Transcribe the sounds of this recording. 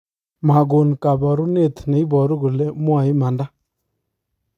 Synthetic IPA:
ma˨ɡo˨n˨ka˨ba˨ɾu˦ne˦˨t̪ne˨i˦bɔ˨ɾu˦ɡu˨le˦mwa˨i˦ma˨nda˦

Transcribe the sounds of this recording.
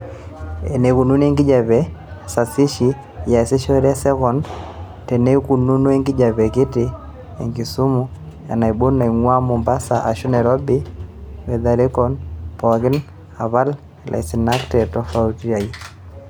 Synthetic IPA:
ḛ˨ne˨ku˨nu˦ne˦ŋɡɪ˦d͡ʒa˨βɛ˨sa˨sɪ˦ʃi˦ | ja˨sɪ˦ʃɔ˦ɾa˦sɛ˦kɔ˨n | tɛ˨ne˦ku˨nu˦nu˦ɛ˦ŋɡɪ˦d͡ʒa˨βɛ˨kɪ˦tɪ˦ | ḛ˨ŋɡi˨su˦mu˦ | a̰˨na˨i˨bo˦nːa˨i˨ŋwa˦mu˨mba˦sa˨ʔa˨ʃu˦nɛ˨ɾɔ˦bi˦wɛ˨ða˨ɾɪ˦kɔ˦npɔ˨ɡɪ˦n | a˨βa˦l | lʔa̰˨isi˨na˦ktɛ˨tɔ˨fa˦u˦ti˦a˨i˦

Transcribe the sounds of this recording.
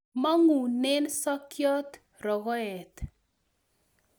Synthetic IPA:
ma˦ŋu˨nɛ˦nsa˦kjɔ˦t̪ | rɔ˨ɣɔ˦ɛ˨t̪

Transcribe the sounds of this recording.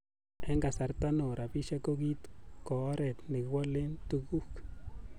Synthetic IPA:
e˦ŋɡa˨sa˨ɾt̪a˦no˨ɾa˨bi˦ʃa˦ko˦ɡi˦t̪ko˨˦ɾe˨d̪ni˨kwa˦le˦nt̪u˦ɡu˦k

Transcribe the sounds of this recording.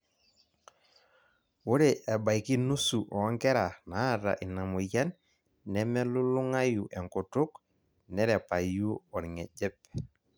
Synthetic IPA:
wo˦ɾe˨ʔɛ˨ba˨jki˦nu˦su˨ʔɔ˨ɔ˦ŋkɛ˦ɾa˨na˨˦˨ɾa̰˨ʔi˨na˨mu˨ja˦nː | ɛ˦mɛ˦lu˦lu˦ŋa˦ju˨ʔɛ˨ŋkɔ˨tʊ˦k | nɛ˦ɾɛ˨pa˨ju˦ɔ˨ɾŋɛ˨d͡ʒɛ˦p̚

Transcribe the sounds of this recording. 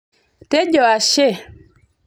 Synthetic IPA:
te˦ɟɔ˨a˨ʃe˦˨

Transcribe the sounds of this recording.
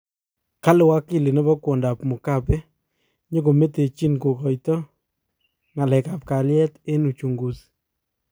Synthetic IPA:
ka˦lɪ˨wa˦kːɪ˦˨lɪ˨nɛ˦bɔ˦ko˨nda˨pmʊ˨ka˦pɛ˦ | ɲe˦ko˨me˦te˨t͡ʃi˦nko˨kɔ˨jtɔ˦ | ŋa˨lɛ˨ka˨p̚ka˨ljɛ˦te˦nu˨t͡ʃu˨ŋɡu˨s

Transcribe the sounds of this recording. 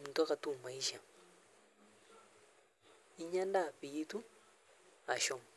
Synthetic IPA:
m˨n˨t̪ɔ˦ka˨t̪u˦˨ma˨i˦ʃa˨ | i˦ɲa˦nda˦˨pi˨ji˦t̪u˦ | a˨ʃɔ˦˨m

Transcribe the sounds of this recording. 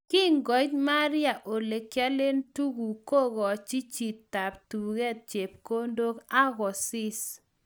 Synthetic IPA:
ki˦ŋɡɔ˨˦t͡ʃma˦ɾja˨ʔo˨le˨kja˦le˦ntu˦ɡu˨ko˦ɣɔ˨t͡ʃi˦t͡ʃi˨tːa˨ptu˨ɣɛ˦˨t̚t͡ʃe˨p̚ko˦ndo˦ka˦ɣɔ˨sɪ˦s

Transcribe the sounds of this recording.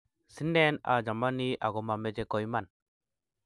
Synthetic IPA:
sɯ˦nːena̰d͡ʒa˨maniʔa̰˨ɡɔma˨mːe˦d͡ʑekɔ˨ima˨n

